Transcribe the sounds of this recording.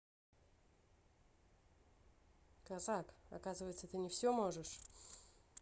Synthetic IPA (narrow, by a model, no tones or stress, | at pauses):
kɐzakɐ̰kazɨvəjt̪sət̪ɨnʲɪfsʲomo̞ʐɨʂ